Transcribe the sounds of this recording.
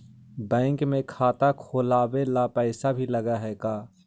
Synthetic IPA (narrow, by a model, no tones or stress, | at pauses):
bɛ̃ːŋkmẽkʰaːt̪akʰoːlaːwelapɛːsabʱilɐɡaɦɛːkaː